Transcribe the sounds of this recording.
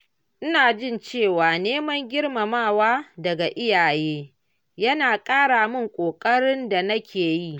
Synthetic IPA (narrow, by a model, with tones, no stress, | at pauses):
ʔɪ˦naː˨d͡ʒɪ˦nt͡ʃeː˦˨waː˨neː˦mɐ˦ŋɡʲɪ˦rma˨maː˦˨waː˦dɐ˨ɡa˨ʔɪ˦jaː˨jeː˦ | jɐ˦naː˨kʼaː˦ɽaː˨mʊ˦ŋkʷʼoː˨kʼɐ˦ɽɪ˦nda˨nɐ˦kʲʰeː˨ji˦˨ʔ